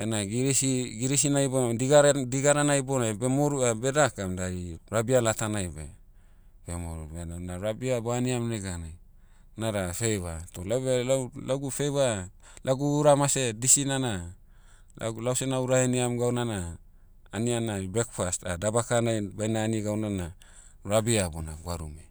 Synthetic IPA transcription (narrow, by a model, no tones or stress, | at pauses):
enaɡiɾiiɡiɾisinajbodiɡaɾdiɡaɾanajbonajbe̞moɾuabe̞dakamdaɾiɾabialatanajbḛ | b̥emo̰ɾubeanaɾabiaboaniamneɡanaj | naɾafejβatolawbelalaɡufe̞jβa | laɡuːɾamase̞disinana̰ | lawsenauɾaheniamɡawnanaː | nianabekfastadabakanajbajnaːniɡawnana | ɾabiabona̰ɡuaɾṵme